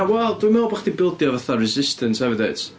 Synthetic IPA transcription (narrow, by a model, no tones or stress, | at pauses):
awɛlˠd̥wɨmɛwlˠbaχdibɪlˠdjɔvəθarɪzɪstʰənsɛvədeɨt